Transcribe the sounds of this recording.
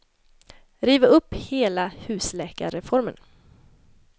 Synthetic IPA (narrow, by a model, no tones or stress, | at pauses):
ɾiːvəɵpːheːlahʉ̟ːslɛːka̰ɾɛfɔɾmə̰n